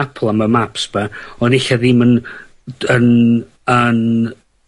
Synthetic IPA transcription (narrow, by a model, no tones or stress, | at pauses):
apʰlˠaməmapsb̥aɔnɪɬaðɪmən | ən | ən